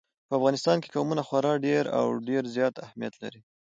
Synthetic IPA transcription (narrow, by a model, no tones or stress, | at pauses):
pəafɣɑnɪst̪ɑnke̥kawmunaxwaɾɑɖeɾa̰wɖeɾzjɑt̪ahmijat̪la̰ɾi